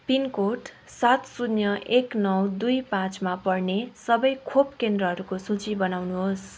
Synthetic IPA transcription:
pinkoʈ | sat̪sunjʌʔeknʌwd̪ujpãt͡smapʌrnesʌbʌjkʰopkend̪rʌɦʌɾukosũt͡sibʌnawnuɦos

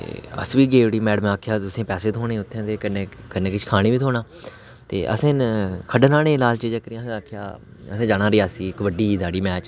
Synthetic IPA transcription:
ə̰sʋiːɡeːʊɽiːmɛːɖəmaːkʰjaːt̪ʊsẽːpɛːseːt̪ʰoːɽẽːʊt̪ʰːẽːt̪eːkneːkənẽːkɪt͡ʃʰkʰaːɽ̃iːʋiːt̪ʰoːnaː | t̪ḛːʔə̰sẽnkʰəɖnaːɽeːlaːlt͡ʃiːd͡ʒãːkəɾãːsaːkʰja̰ː | əsẽːd͡ʒaːɽaːɾijaːsiːɪkʋəɖiːsaːɽiːmɛːt͡ʃ

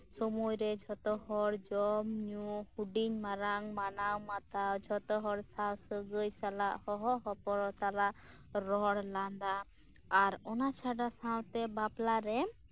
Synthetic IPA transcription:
sɔmujɾɛd͡ʒʱɔt̪ɔɦɔɽd͡ʒɔmɲuhuɖiɲmaɾaŋmanawmat̪awd͡ʒʱɔt̪ɔɦɔɽsawsəɡəjsalaʔhɔɦɔɦɔpɔɾɔt̪alaʔ | ɾɔɽland̪aː | ɾɔnat͡ʃʰaɖasaw̃t̪ɛbaplaɾɛ

